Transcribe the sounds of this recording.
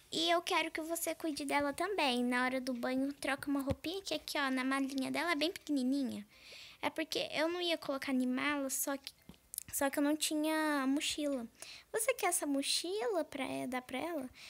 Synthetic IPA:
ɪewkɛɾʊkɪvosekujd͡ʒɪd̪ɛlɐt̪ɐ̃mbẽj̃nɐɔɾɐd̪ʊbɐ̃ɲʊt̪ɾɔkɐũmɐɦopĩɲɐkɪakɪɔnɐmalĩɲɐd̪ɛlɐɛbẽj̃pɪ̥kinĩnĩɲɐɛ̰poɾkḛʔewnɐ̃w̃iɐkolokaɾnĩmalɐsɔkɪ̥sɔkɪewnɐ̃w̃t͡ʃĩɲɐmʊʃilɐvosekɛɛsɐmuʃilɐpɾɐ̰ɛd̪apɾɐɛlɐ

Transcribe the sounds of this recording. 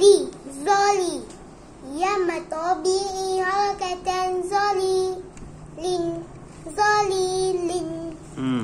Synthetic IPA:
lizɔli | jamat̪ɔbiʔiaɾakatanzli | lin | zɔlilin

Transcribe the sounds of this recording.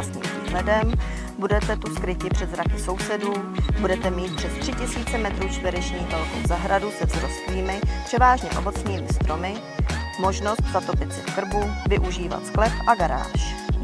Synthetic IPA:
sɲḭːmviːɦlɛdɛm | budɛt̪ɛt̪uskɾɪcɪpr̥ɛd̪zɾakɪso̞wsɛduːbudɛt̪ɛmiːt̪̚pr̥ɛst̪r̥ɪcɪsiːt͡sɛmɛt̪ɾuːt͡ʃt̪vɪɾɛt͡ʃɲiːxvɛlko̰wzaɦɾadusɛvzɾo̞st̪liːmɪpr̝̥ɛvaːʒɲɛ̰ʔobo̞t͡sɲiːmɪst̪ɾʔo̞mɪ | mo̞ʒno̞st̪zat̪o̞pɪt̪t͡sɪ̰fkr̩buvɪʔuʒiːva̰t̪sklɛfʔaɡaɾa̰ːʃ

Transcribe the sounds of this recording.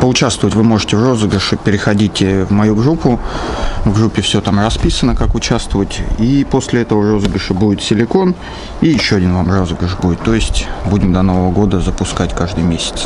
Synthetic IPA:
pəʊt͡ɕæst̪vəvətʲvɨmo̞ʐɨtʲɪvro̞zəɡɾəʂɨpʲɪɾʲɪxɐdʲitʲɪvmɐjuɡɾupːʊ | vɡɾupʲːɪfsʲɵt̪amrɐspʲisənəkakʊt͡ɕæst̪vəvətʲipo̞sʲlʲɪɛt̪əvəro̞zəɡɾəʂɨbudʲɪt̪sʲɪlʲɪko̞n | ijɪɕːoɐdʲinvamro̞zəɡɾəʂbudɪt̪ːo̞jɪsʲtʲbudʲɪmd̪ɐno̞vəvəɡo̞d̪əzəpʊskatʲkaʐd̪ɨjmʲesʲɪ̥t̪s

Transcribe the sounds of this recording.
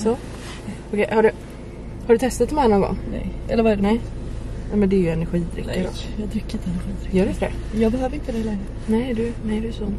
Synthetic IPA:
sɔ | ɔkʰɛjhaɖɵ | haɾɖɵt̪ʰɛst̪at̪mɛanːaɡɔ̰ŋnɛ̰jʔɛ̰lːəɾvaɛɾnɛnɛmɛnd̪ɛːɾjɵɛnæɾɧiːd̪ɾʏ̰k̪ːɪɾɔ̰jɑːd̪ɾʏkːɾɪnt̪əɛnəɾɧiːd̪ɾɪjœːɾɪt̪fdɛ̰ | jɑːɡbɛɦøːvəɾɪnt̪əd̪ɛɪlɛŋɡɾə | nɛɪd̪ɵnɛd̪ɵsɔ

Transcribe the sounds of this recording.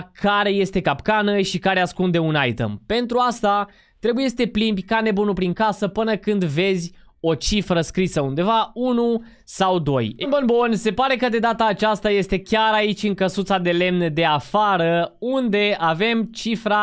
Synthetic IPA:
kaɾe̞je̞st̪e̞kapkanəʃikaɾeaskund̪e̞unajt̪ə̰mpe̞nt̪ɾuast̪a | t̪ɾe̞buje̞sət̪e̞plimbʲkane̞bunupɾiŋkasəpɨnəkɨnd̪ve̞zʲ | o̞t͡ʃifɾəskɾisəund̪e̞vaunu | sawd̪o̞jenbonbonse̞paɾe̞kəd̪e̞d̪at̪aːt͡ʃast̪aje̞st̪e̞kʲaɾait͡ʃʲɨŋkəsut̪sad̪e̞le̞mnd̪e̞afaɾəund̪e̞ave̞mt͡ʃifɾa

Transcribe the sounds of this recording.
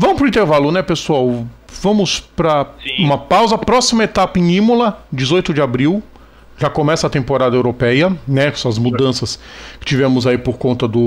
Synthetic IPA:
vɐ̃mʊpɾʊĩnt̪eɾvalʊnɛpesuaw | vɐ̃mʊspɾɐũmɐpawzɐpɾɔsimɐet̪apɐẽĩmolɐd͡ʒɪzojt̪ʊd͡ʒɪabɾiw | ʒakomɛsɐːt̪ẽmpoɾad̪ɐewɾopɛjɐnɛsɐzmud̪ɐ̃sɐskɪ̥t͡ʃivẽmʊzaipoɾkõnt̪ɐd̪ʊ

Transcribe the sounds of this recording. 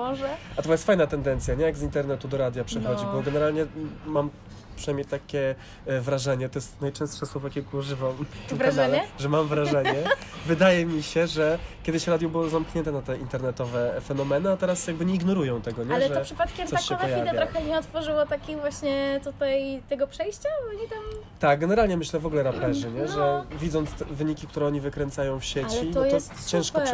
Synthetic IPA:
mɔʐɛat̪ɔmajɛst̪fajnat̪ɛnd̪ɛnt̪sʲjaɲɛjaɡzint̪ɛɾnɛt̪ud̪ɔɾad̪ʲjapʂɛxɔd͡ʑibbɔɡɛnɛɾalɲɛmam | pʂɨnajmɲejt̪akʲɛ | vɾaʐɛɲɛt̪ɔjɛst̪najt͡ʂɛ̃w̃st̪ʂɛswɔvɔkʲɛlkuɔʐɘvamvɾaɛɛʐɛmamvɾaʐɛɲɛvɘd̪ajɛmʲiɕɛʐɛkʲɛd̪ɘɕɾad̪ʲjɔbɘwɔzamkɲɛnt̪ɛnat̪ɛint̪ɛɾnɛt̪ɔvɛfɛnɔmɛnɘat̪ɛɾasjaɡ̚bɘɲɛiɡnɔɾujɔ̃w̃t̪ɛɡɔɲɛlʐɛɔʂɨpat̪̚kʲɛmɔaɕɛɔvp̪ɔpjiavɛjaɾɔxɛɲɛɔt̪fɔʐɨwɔt̪akʲivwaɕɲɛt̪ut̪ajt̪ɛɡɔpʂɛjɕt͡ɕavɔɲit̪am | t̪aɡ̚ɡɛnɛɾalɲɛmɘɕlɛvɔɡulɛɾapɛʐɘɲɛʐɛvʲid̪zɔnt̪st̪ɛvɘɲikʲik̚t̪uɾɛɔɲivɘkɾɛnt̪sajɔ̃w̃fɕet͡ɕiɔɔjt̪ɔt̪t͡ɕɛ̃w̃ʂkɔ

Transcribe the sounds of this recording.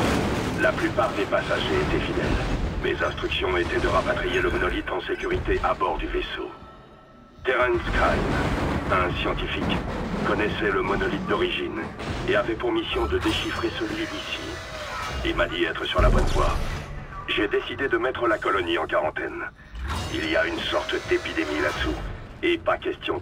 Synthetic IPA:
laplypaʁd̪epasaʒeet̪efid̪ɛ̰lmḛzɛ̃st̪χyksjɔ̃et̪ɛd̪əʁapat̪χijeləmɔnɔlit̪ɑ̃sekʲyʁit̪eʔabɔʁd̪yveso̰ | t̪eʁɛnskajmɛ̃sjɑ̃t̪ifikkɔnɛsɛləmɔnɔlit̪̚d̪ɔʁiʒineavɛpuʁmisjɔ̃d̪əd̪eʃifχesəlɥid̪isḭ | ilmad̪iɛt̪χəsyʁlabwɛ̃nvwa̰ʁ | ʒed̪esid̪ed̪əmɛt̪χəlakɔlɔniɑ̃kaʁɑ̃t̪ɛ̰n | ḭliaynsɔʁt̪d̪epid̪emilat̪suepakʲɛst̪jɔ̃

